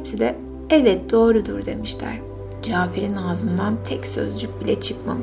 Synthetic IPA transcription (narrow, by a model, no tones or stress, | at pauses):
psid̪ɛ | ɛvɛt̪̚d̪o̞ːɾud̪uɾd̪e̞̰miʃlʲæ̰ɾ̥ | d͡ʒaːfiɾinazɯnd̪ant̪ʰɛcsø̞̰zd͡ʒyc̚bilʲɛt͡ʃʰɯkma̰m